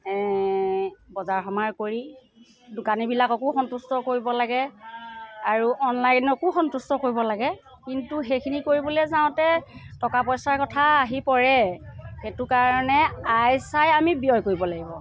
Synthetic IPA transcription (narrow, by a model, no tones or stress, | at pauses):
ɛ | bɔzaɹxɔmaɹkoɹi | dʊkanibilakɔkuxɔntustɔkoɹibɔlaɡɛ | aɹuʔɔnlajnɔkuxɔntustɔkoɹibɔlaɡɛ | kintuxejkʰinikoɹibɔlɛzaʊ̃tɛtɔkapɔjsaɹkɔtʰaːɦipɔɹɛxetukaɹɔnɛajsajamibijɔjkoɹibɔlaɡibɔ